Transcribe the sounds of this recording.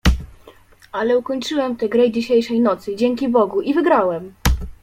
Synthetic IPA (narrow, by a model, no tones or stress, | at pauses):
alɛukɔɲt͡ʂɘwɛmt̪ɛɡɾɘd͡ʑiɕejʂɛjnɔt̪sɘd͡ʑɛŋʲkʲibɔɡuʔivɘɡɾawɛm